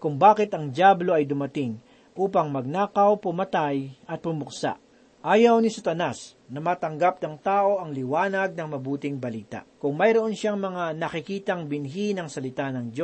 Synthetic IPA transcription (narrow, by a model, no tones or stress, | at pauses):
kʊŋbaːkɪt̪ɐŋd̪jablo̞ʔɐjd̪ʊmɐt̪ɪŋ | ʔuːpɐŋmɐɡ̚naːkɐwpʊmɐt̪ajʔɐt̪̚bʊmʊksa̰ʔ | ʔaːjɐwnɪsɐt̪ɐnas | nɐmaːt̪ɐŋɡap̚nɐŋt̪aːʔo̞ʔɐŋlɪwaːnɐɡ̚nɐŋmɐbuːt̪ɪŋbɐliːt̪ɐ̰ʔkʊŋmɐjɾoʔonʃaŋmɐŋanɐkɪkiːt̪ɐŋbɪnɦinɐŋsɐlɪt̪anɐŋd͡ʒo